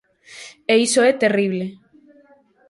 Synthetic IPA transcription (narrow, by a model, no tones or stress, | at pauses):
eisoɛt̪eriβ̞le